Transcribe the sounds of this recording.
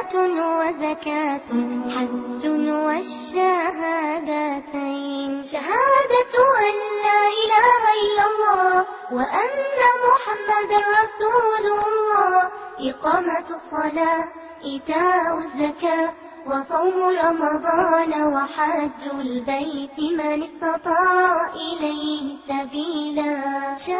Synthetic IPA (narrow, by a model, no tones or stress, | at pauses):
t̪wazakaːt̪ħad͡ʒːʊwaʃːaɦaːd̪at̪ajnʃaɦaːd̪aʔalːaːʔɪlamalʔɑlˤːɑː | waʔanːamʊħamːad̪ɑrˤːɑsuːllˤːɑːʔɪqɑːmaɑsˤːɑlaː | ʔɪt̪aːʔazːakaː | wɑsˤɑwmɾˤɑmɑd̪ˤɑːnwaħad͡ʒːalbajt̪ɪmanɪst̪ɑt̪ˤɑːʔɪlajhsabiːlaː